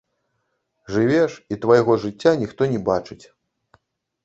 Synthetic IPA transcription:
ʐɨvʲɛʂit̪vajɣɔʐɨt͡sʲːanʲixt̪ɔnʲɛbat͡ʂɨt͡sʲ

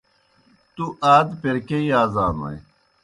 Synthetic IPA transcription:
t̪uʔaːd̪peɾkeiaːzaːnɐ̰j

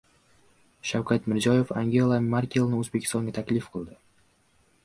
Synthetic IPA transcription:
ʃawkʲʰat̪mɪɾzɒje̞faŋɡʲe̞lˠamaɾkʲelˠnɪɵzbekʲʰɪ̥st̪ɒŋɡʲat̪ʰakʲlɪfqʰɨlˠd̪ɪ

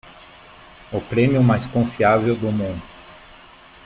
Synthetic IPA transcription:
ʊpɾẽmjʊmajskõfiavewd̪ʊmũnd̪ʊ

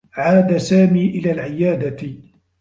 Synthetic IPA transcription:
ʕaːd̪asaːmiːʔɪlaːlʕɪjaːd̪a

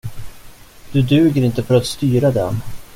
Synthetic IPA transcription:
d̪̥ɵd̪ʉ̟ːɡəɾɪnt̪əfœɾat̪st̪yːɾad̪ɛ̰n

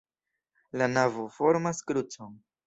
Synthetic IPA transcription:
lanavofo̞ɾmaskɾut͡son

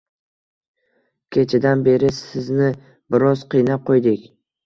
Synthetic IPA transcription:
kʲʰe̞t͡ʃʰɪd̪anbe̞ɾɪsɪznɪ | bɪɾɒz̥qʰijnap̚qʰojd̪ɪkʲ

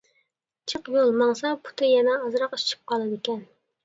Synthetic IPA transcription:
t͡ʃʰəqjolˠmɑŋsɑpʰu̥t̪ʰɨjɛnɛːzɾɑqi̥t͡ʃʰi̥p̚qʰɑlˠɨd̪ɪkʲɛn

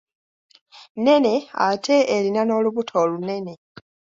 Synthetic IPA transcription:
ne̞ne̞atʰe̞ʔːlinano̞ːluβutʰoːlune̞ne̞

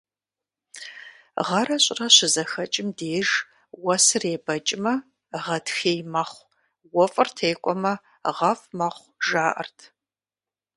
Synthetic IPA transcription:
ʁɐɾɐɕʼrɐɕɪzɐxɐt͡ʃʼɪmdeːʒ | wɐsɨreːbɐt͡ʃʼɪmɐ | ʁɐtxeːjmɐχʷ | wɔfʼɨrtʰeːkʷʼɔmɐ | ʁɐfmɐχʷʒaːʔɐ̰rtʰ

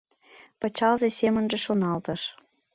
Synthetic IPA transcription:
pɤt͡ɕɑlzesʲemə̆nʒĕʃonɑlt̪ɤ̆ʃ

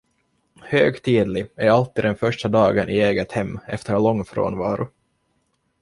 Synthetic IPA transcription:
høːɡt̪ʰiːd̪lɪæɾalt̪ːiːd̪d̪ɛnfœʂʈad̪ɑːɡənʔɪeːɡət̪hɛmːɛ̰ft̪əɾɭɔŋːfɾo̰ːnvɑ̰ːɾʊ

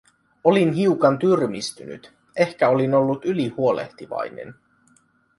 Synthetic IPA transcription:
o̞linɦiukɑnt̪yrmist̪yny̰t̪ | e̞hkæo̞lino̞lːut̪ylihuo̞le̞̰ht̪iʋɑ̰jne̞̰n

